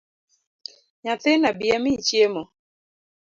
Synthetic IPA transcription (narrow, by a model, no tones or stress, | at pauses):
ɲaθɪnabiamit͡ʃjemɔ